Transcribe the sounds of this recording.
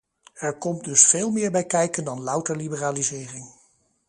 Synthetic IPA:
ɛɹkɔmdɵsfeːlˠmɪːɹbɛjkɛjkəndɑnlʌwtəɹlibəraːlizɪːrɪŋ

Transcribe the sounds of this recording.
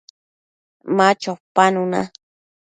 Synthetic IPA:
mat͡ʃopanʊna̰

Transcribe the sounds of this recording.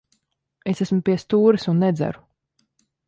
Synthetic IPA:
esæsmupiɛst̪uːɾɨsunːɛd̪zæ̰ɾu

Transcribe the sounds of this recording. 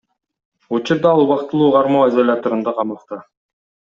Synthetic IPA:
ut͡ʃuɾd̪ɑɑlˠuβɑqt̪ɯlˠuːʁɑɾmoːezolʲat̪oɾɯnd̪ɑqʰɑmɑqt̪ɑ

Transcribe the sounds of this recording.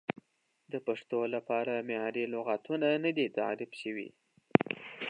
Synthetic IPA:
d̪əpaʂt̪olapɑɾamejɑɾilʊɣat̪unanad̪it̪ɑ̰ɾɪbʃəwḭ

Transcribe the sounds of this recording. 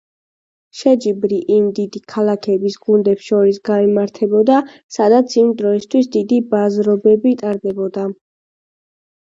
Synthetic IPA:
ʃɛd͡ʒibɾiʔimd̪id̪ikʰalˠakʰɛbisɡund̪ɛpsʃɔɾisɡaimaɾt̪ʰɛbɔd̪asad̪at̪sʰimd̪ɾɔist̪ʰwisd̪id̪ibazɾɔbɛbit̪ʼaɾd̪ɛbɔd̪a

